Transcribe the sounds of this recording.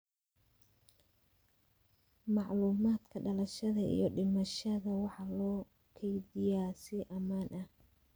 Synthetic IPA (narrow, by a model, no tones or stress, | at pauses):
mɑʕluːmaːd̪kʰɐɖɐlɐʃɐðɐḭjɞɖɪmɐʃɐðɐwɑħɑlɔː | kʰɛjdɪjaːsɪʔɐmaːnʔɐh